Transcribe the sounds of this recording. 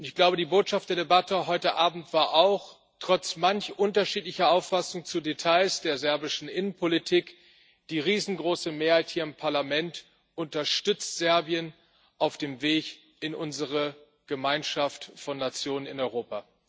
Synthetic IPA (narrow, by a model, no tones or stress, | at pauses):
ʔʊntɪçɡ̥laʊbədiːboːtʃaftd̥eːɐdebatəɦɔʏtəʔaːbm̩tv̥aːɐʔaʊx | tʁ̥ɔt͡smançʔʊntɐʃiːtlɪçɐaʊfasʊŋt͡sudetʰaɪsd̥eːɐzɛɐbɪʃn̩ʔɪnənpʰolitʰiːk | d̥iːʁiːzn̩ɡʁoːsəmeːɐhaɪthiːɐɪmpʰaɐlamɛnt | ʔʊntɐʃtʏt͡stz̥ɛɐbiən | ʔaʊfd̥eːmveːç | ɪnʔʊnzəʁə | ɡ̥əmaɪnʃaftfɔnːat͡sjoːnənɪ̰nɔʏʁoːpa